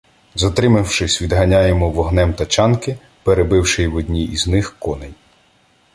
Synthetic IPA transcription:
zɐt̪ɾɪmɪwʃɪsʲʋʲid̪ɦɐnʲajemɔʋɔɦnɛmt̪ɐt͡ʃɑnkɪ | peɾebɪwʃɪjwɔd̪ʲnʲiiznɪxkɔnej

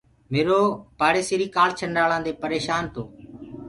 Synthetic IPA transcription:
meːɾoːpaːɽeːseːɾiːkaːlt͡ʃʰəɳɖaːlãːd̪eːpəɾeːʃaːnt̪oː

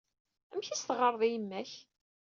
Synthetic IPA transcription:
æmçæst̪ʁəɾˤðˤijəmːæç

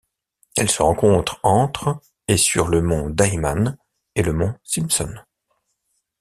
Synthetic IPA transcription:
ɛlsəʁɑ̃kɔ̃t̪χɑ̃t̪χ | esyʁləmɔ̃d̪ajman | eləmɔ̃silsɔ̰n

